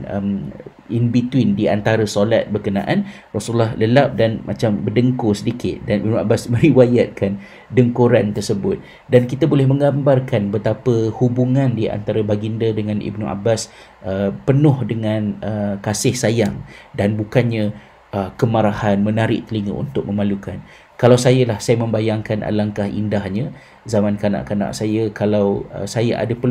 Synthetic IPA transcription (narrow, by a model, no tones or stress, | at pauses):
ə̰m | inbit̪uwindia̰nt̪aɾasola̰t̪̚bərkənã̰ʔan | rɔsulːahləlap̚danmʔat͡ʃambərdəŋkosədikɪt̪̚danibnua̰basmə̃ɾiwajat̪̚kan | dəŋkuɾant̪ərsəbʊt̪̚ | dankit̪abolɛhmə̃ŋɡambarkanbət̪apəhubuŋandiʔa̰nt̪aɾabaɡindədəŋanʔḭbnuʔa̰bas | əpənʊhdəŋanəkasɪhsajaŋdanbukanɲa | ʔəkəmaɾahanmənaɾɪʔt̪əliŋə̰ʔṵnt̪ʊk̚məmalukan | kalawsajalahsajamə̃mbajaŋkanʔa̰laŋkahḭndahɲa | zamankana̰ʔkana̰ʔsajəkalawə̰sajaʔa̰dapə